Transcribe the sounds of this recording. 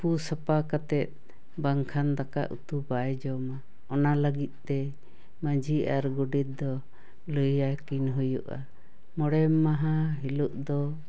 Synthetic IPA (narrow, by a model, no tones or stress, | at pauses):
pusəpakat̪ɛt̪̚ˀ | baŋkʰand̪aka̰ʔṵt̪ubajd͡ʒɔma | ɔnaləɡit̪̚ˀt̪ɛ | məd͡ʒiʔaɾɡuɖit̪̚d̪ɔ | ləjakinɦujṵʔa̰ | mɔɽɛmːaɦaɦiluʔd̪ɔ